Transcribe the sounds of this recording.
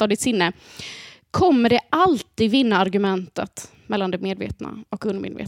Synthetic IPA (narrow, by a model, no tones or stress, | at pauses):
ɑːd̪ɪt̪sɪnːə | kʰɔmːəɖɛʔalt̪iːd̪vɪnːaaɾɡɵmɛnt̪ə̰t̪ | mɛlːand̪ɛmeːd̪vḛːt̪na̰ɔkɵnmḛːd̪vḛːt̪